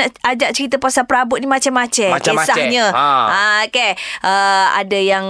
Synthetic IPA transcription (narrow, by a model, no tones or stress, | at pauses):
aʔad͡ʒaʔ̚t͡ʃəɾit̪̬əpasapəɾabʊt̪̚nimat͡ʃamːat͡ʃɛaesahɲə̃akeʔəa̰dajaŋ